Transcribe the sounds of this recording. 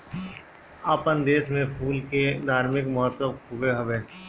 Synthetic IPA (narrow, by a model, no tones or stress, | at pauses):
aːpənd̪eːsmẽpʰuːlked̪ʱaːɾmɪkmʊɦət̪ːəbkuɡeɦɐʋeː